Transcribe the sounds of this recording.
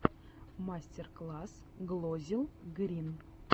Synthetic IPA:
masʲtʲerklˠas | ɡlˠozʲilˠɡɾʲin

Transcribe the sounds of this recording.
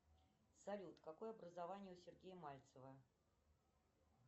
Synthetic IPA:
sɐlʲut̪kakojɐbɾəzavanʲɪjəʊsʲɪrɡʲejəmalʲt̪səvə

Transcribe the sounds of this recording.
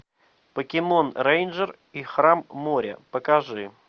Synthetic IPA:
pəkʲɪmo̞nrejnʐər | ixɾamːoɾʲə̰pəkɐʐɨ

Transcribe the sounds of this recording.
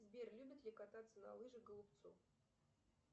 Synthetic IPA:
zbʲerlʲubʲɪt̪lʲɪkat̪at̪sːəna̰lˠɨʐɨɡəlˠʊp̚t̪sṵ

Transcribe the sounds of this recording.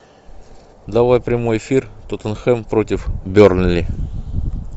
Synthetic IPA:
d̪ɐvajpɾʲɪmo̞jɪfʲirt̪ot̪ənxɛmpɾotʲɪfbʲornʲlʲɪ

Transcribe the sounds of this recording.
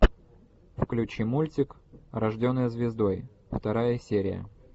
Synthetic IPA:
fklʲʉt͡ɕimulʲtʲɪkɾɐʐdʲo̞nːɨjəzvʲɪzd̪o̞j | ft̪ɐɾajəsʲeɾʲɪ̰jə̰

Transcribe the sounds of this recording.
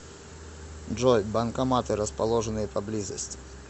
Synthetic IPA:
dʐɔjbɐnkamat̪ɨɾɐspalˠɔʐənɨjɐpɐblʲizɐsʲtʲi̥

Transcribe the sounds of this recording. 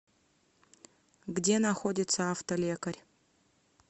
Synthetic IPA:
ɡdʲenɐxo̞dʲɪt̪səaft̪ɐlʲekɐrʲ

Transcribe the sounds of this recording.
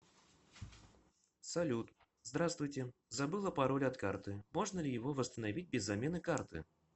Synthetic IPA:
sɐlʲut̪ | zd̪ɾast̪vʊjtʲɪzɐbɨlˠəpɐɾo̞lʲɐt̪kart̪ɨmo̞ʐnəlʲɪjɪvo̞vəst̪ənɐvʲit̚ʲbʲɪzːɐmʲenɨkart̪ɨ̰

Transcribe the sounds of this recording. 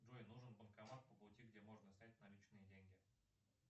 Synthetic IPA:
ʐuɪnuʐɨnbəmkɐmat̪̚pəplˠʊtʲiɡdʲemoʐnəsʲnʲat̚ʲnɐlʲit͡ɕnɨjədʲeŋʲɡʲɪ

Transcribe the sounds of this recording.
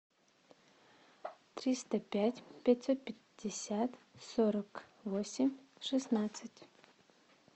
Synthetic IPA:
t̪ɾʲist̪əpʲætʲpʲatʲsot̪̚pʲɪ | d̥ʲɪsʲat̪soɾəkvosʲɪmʲʂɨsnat̪sɨtʲ

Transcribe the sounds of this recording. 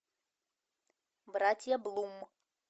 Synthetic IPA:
bɾatʲjablˠumː

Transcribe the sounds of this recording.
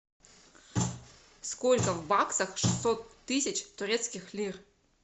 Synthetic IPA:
skolʲkəvbaksəxʂɨsːot̪ːɨsʲət͡ɕt̪ʊɾʲet̪skʲɪxlʲir

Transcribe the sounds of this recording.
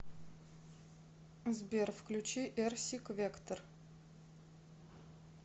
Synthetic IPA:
zbʲerfklʲʉt͡ɕiʔɛrsʲikvʲekt̪ər

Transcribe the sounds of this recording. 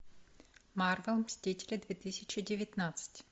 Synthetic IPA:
maɾvɛlˠmsʲt̪ʲitʲɛlʲɛd̪vʲɛt̪isʲət͡ʃɪdʲɪvʲɛt̪nat̪sɨ̥tʲ

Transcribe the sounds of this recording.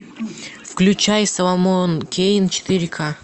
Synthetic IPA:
fklʲʉt͡ɕajsɐlˠɐmonkʲʰejɪnt͡ɕɪ̥t̪ɨɾʲkʰa

